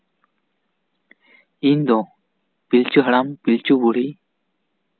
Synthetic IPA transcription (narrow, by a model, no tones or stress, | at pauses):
ind̪ɔ | pilt͡ʃuɦɐɽampilt͡ʃubuɽ̤i